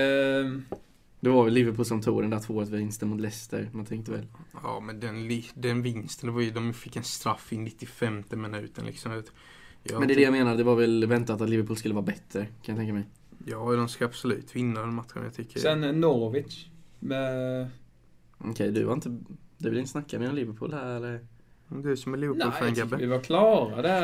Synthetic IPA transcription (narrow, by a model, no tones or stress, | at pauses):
d̪ɛvaɾvɛlːɪvəpʰuːlsɔmt̪ʰuːd̪ənd̪æt̪voːət̪ɪnst̪ənmʊt̪lɛst̪ə̰ɾmant̪ʰɛŋkt̪əvɛ̰lɑ̰ːmɛnd̪ɛnlɪd̪ɛnvɪnst̪ənd̪ɛvajd̪ɔmfɪkːɛnst̪ɾafːɪnːɪt̪ːɪfɛmt̪əmɛnʉ̟̰ːt̪ə̰ɳlɪ̰ksɔmt̪ | jmmɛnɛd̪ɛjameːnaɖ̪ɛvaɾvɛlvɛnt̪at̪at̪lɪvəɾpʰuːlskɵlːəvɑːɾabɛt̪ːɾəkʰanjat̪ɛŋk̬ːamɛj | jɑːd̪ɛmskaab̥sɔlʉ̟̰ːt̪vɪnːaɾɛd̪ɛnmat̪ɧən̰jɑt̪ʰʏkːə̰sɛnnɔɾvɪt͡ʃmɛ | ɔkʰɛjd̪ɵva̰ɾɪnt̪əd̪ɵvɪlɪnəsnakːamɛeːɔnlɪvəpʰṵːlhæɾɛlːəɾ | d̪ɵæsɔmɛlɪvəulænɡabəɪvakʰlɑːɾad̪ɛ